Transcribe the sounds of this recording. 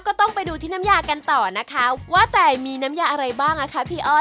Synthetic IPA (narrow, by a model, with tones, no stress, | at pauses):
kɔː˥˩t̪ɔ˥˩ŋpa˧jduː˧t̪ʰiː˥˩na˦˥mjaː˧ka˧nt̪ɔː˨˩na˦˥kʰa˦˥waː˥˩t̪ɛː˨˩miː˧na˦˥mjaː˧ʔa˧ɾa˧jbaː˥˩ŋʔa˧˩kʰa˦˥pʰiː˦˥˩ʔɔː˥˩